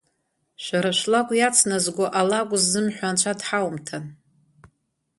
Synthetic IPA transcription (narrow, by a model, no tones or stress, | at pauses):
ʃʷaɾaʃʷlakʷʼjat͡sʰnazɡʷaʔalakʷʼzːɨmħʷᶣant͡ʃʷʰadħawmtʰan